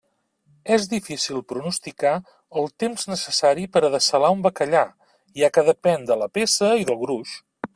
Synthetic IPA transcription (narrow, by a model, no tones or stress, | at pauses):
ɛzðifisilˠpɾunust̪ika | əlˠt̪emznəsəsaɾipəɾəðəsəlaumbəkəʎa | iakəðəpɛnd̪ələpesəiðəlˠɣɾuʃ